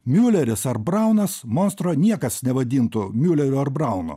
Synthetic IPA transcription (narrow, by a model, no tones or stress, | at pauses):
mʲuːlʲɛɾʲɪsɐɾbɾɐˑʊnɐsmɔnst̪ɾoːnʲiɛkɐsnʲɛʋɐd̪ʲiːnt̪ʊmʲuːlʲɛɾʲʊɐɾbɾɐˑʊnʊ̰